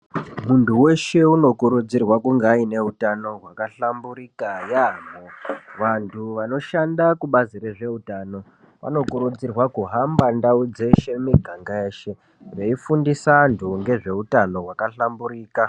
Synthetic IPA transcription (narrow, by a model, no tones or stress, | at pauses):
muntʰuwe̞ʃe̞uno̞kuɾud͡zirwakuŋɡeːine̞utano̞ɦwakaɬambuɾikajamoʋantʰuʋano̞ʃandakuɓazireʐe̞utaːno̞ | ʋa̰no̞kuɾud͡zirwakuɦambandaud͡ze̞ʃe̞miɡʱaŋɡaeːʃe̞ | re̞ifundisantʰuŋɡe̞ʐe̞utano̞ɦwakaɬambuɾiːka